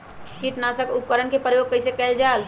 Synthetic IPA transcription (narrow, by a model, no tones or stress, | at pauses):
kiːʈnaːsəkʊpkəɾəɳkepɾəjoːɡ̚kɐɪsekɛːld͡ʒaːl